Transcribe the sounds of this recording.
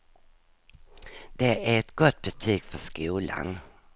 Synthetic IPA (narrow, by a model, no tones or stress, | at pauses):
d̪̥ɛæɾɛt̪ɡɔt̪ːbɛt̪ʰiːɡ̥fœʂkuːla̰n